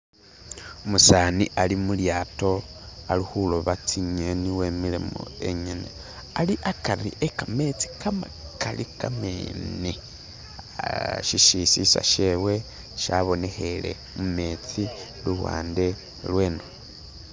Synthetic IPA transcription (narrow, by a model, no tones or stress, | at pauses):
musaːniʔalimuljaːto̞alixuloβat͡siɲeniwemilemo̰e̞ɲene | aliʔakarḭʔekame̞t͡si̥kamakalḭkameni | ʃiʃisisa̰ʃewe̞ | ʃaβo̞ne̞xe̞le̞̰ | mume̞t͡si | luβwa̰ːnde̞ | lwe̞ːno